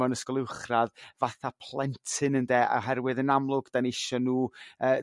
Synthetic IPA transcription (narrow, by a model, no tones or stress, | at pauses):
ɔnəskɔlˠɪwχraðvaθapʰlˠɛntʰɨnəndɛːʔa̰ɦɛrwɨðənamlˠʊɡd̥anɪʃɔnuːəː